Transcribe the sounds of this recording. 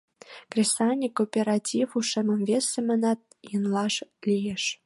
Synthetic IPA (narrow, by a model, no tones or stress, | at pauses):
krʲesɑnʲikːopʲeɾɑtʲifuʃĕmə̆mvesĕmə̆nɑt̪̚jənlɑʃlʲijeʃ